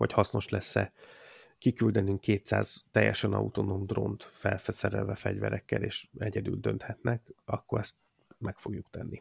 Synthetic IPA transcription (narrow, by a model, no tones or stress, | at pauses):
ho̞chɒsno̞ʃlɛsːɛ | kikyld̪ɛnyŋkːeːt̪sa̰ːz̥t̪ɛjːɛʃɛnɒ̰ut̪o̞no̞md̪ro̞̰nt̪fɛlfɛsɛɾɛlvɛfɛɟvɛɾʔɛkːɛleːʃɛɟɛd̪yld̪ø̞nt̪hɛt̪nɛkɒkːo̞ɾɛst̪ | mɛkfo̞ɡjukt̪ɛnːi